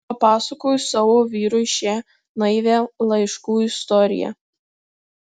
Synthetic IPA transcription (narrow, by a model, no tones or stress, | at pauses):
ɐpɑːsɐkoːjʊsɐʋoːʋʲiːɾʊʃʲeː | nɐɪʋʲelˠɐɪʃkuːɪst̪ɔɾʲɪ̰jɛ̰